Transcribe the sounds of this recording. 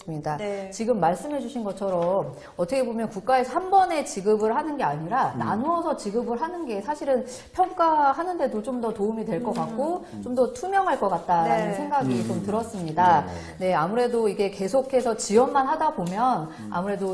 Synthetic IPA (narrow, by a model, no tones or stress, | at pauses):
ɯmɲidat͡ɕiɡɯmːaɭs͈ɯmɦe̞d͡ʑuɕʰinɡʌt͡ɕʰʌɾʌm | ʌtʰʌkʰe̞bomjʌnkuk̚k͈aesʰʌhanbʌne̞t͡ɕiɡɯbɯɭɦanɯnɡe̞aɲiɾana̰nuʌsʰʌt͡ɕiɡɯbɯɭɦanɯnɡe̞sʰaɕʰiɾɯn | pʰjʌŋk͈aɦanɯnde̞dot͡ɕomdʌtoumidwe̞ɭk͈ʌk͈ak̚k͈o | t͡ɕomdʌtʰumjʌŋɦaɭk͈ʌk͈at̚t͈aɾanɯnsʰe̞ŋɡaɡit͡ɕomtɯɾʌs͈ɯmɲida | ne̞amuɾe̞doiɡe̞ke̞sʰokʰe̞sʰʌt͡ɕiwʌnmanɦadabomjʌn | a̰muɾe̞do